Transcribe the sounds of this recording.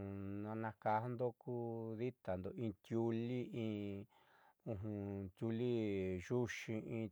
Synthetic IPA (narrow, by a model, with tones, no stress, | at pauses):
nã˧nã˧ka˧˦nd̪o˦ku˦ði˦t̪a˨nd̪o˨ĩ˧t̪ʲju˧li˦ĩː˧ | ũ˧ɦũ˧t̪ʲju˧li˦ʒu˦ʃĩ˧ĩ˧